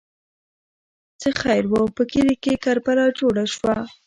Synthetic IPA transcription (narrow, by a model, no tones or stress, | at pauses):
t͡səxajɾwəpəkilikekaɾpalɑd͡ʒoɽaʃwa